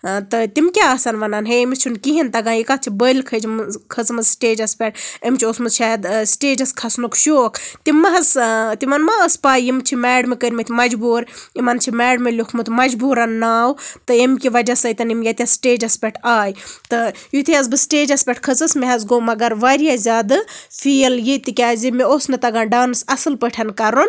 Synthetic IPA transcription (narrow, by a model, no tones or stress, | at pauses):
t̪ɨt̪imkʲaasanʋɐnanɦeemist͡ʃʰunkiɦint̪ɐɡãːikat̪̚t͡ʃʰibəlkʰɐd͡ʒimkʰəzmɨzsʈeːd͡ʒɐspʲeʈ̚əmt͡ʃʰiosmɨzt͡ʃʰaːd̪sʈeːd͡ʒɐskʰɐsnukʃoːkʰt̪imːɐɦɐzt̪imɐnmaəspaːjimt͡ʃʰimɛːɖmekəɾʲmit̪ʰʲimɐd͡ʒbuːɾimɐnt͡ʃʰimɛːɖmelʲokʰmɨt̪ʰmɐd͡ʒbuːɾɐnːaːwt̪ɨemkiʋɐd͡ʒasɐjt̪ɐnimjɐt̪iɐsʈeːd͡ʒɐspʲeʈʰaːjt̪ɨjut̪ʰiɐzbɨsʈeːd͡ʒɐspʲeʈʰkʰɐt͡sɨsmiɦɐzɡoːmɐɡɐɾʋaɾijazʲaːd̪ɨfʰiljit̪ikʲaːzimeoːsnɨt̪ɐɡaːɖaːnɨsɐsɨlpəʈʰɐnkɐɾon